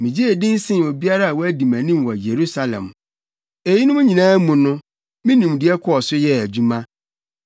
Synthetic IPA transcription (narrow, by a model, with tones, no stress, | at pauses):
mĩ˨d͡ʑi˦e˨dɪ̃˦n̩˦sɪ̃˦˨o˨bi˦a˦ɾa˦a˨wɔ˦æ˦dĩ˨mæ̃˨nĩ˦m˨wɔ˨je˨ɾu˦sa˦lɛ̰̃˨m | e˨ji˦nʊ̃˦mʊ̃˦ɲĩ˨nãː˦mũ˨nʊ̃˦ | mĩ˦nĩ˨mdɪ˨ɛ˦kʰɔ˦ɔ˨sʊ˦jɛ˦æ˨d͡ʑu˦mã˦